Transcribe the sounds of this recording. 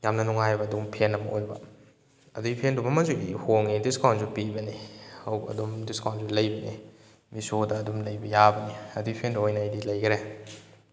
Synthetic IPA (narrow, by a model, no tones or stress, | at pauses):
jamnɐnuŋajbɐːdumpʰenːɐmɐʔojbɐ̰ | ɐduɡipʰendumɐmazuihoŋidiskawnzupibɐnihɐwbɐ̰dumdiskawnzulɐjbɐnḭ | misodɐːdumlɐjbɐjabɐniɐduɡipʰenduojnɐjdilɐjɡɾe